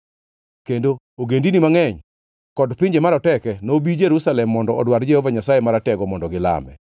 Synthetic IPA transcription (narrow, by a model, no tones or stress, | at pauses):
kendo | oɡendinimaŋɛɲ | kɔdpɪɲd͡ʒemaɾɔtɛkɛnobid͡ʒeɾusalɛmːɔndɔɔdwaɾd͡ʒɛhɔvaɲasajemaɾatɛɡɔmɔndɔɡɪla̰mɛ̰